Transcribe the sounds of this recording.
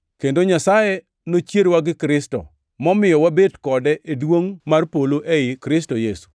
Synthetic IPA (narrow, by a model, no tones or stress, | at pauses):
kendoɲasajɛ | not͡ʃjeɾwaɡɪkɾɪstɔ̰ | mɔmɪjɔwabedkɔdɛʔedwoŋmarpoloʔeɪkɾɪstojesu̥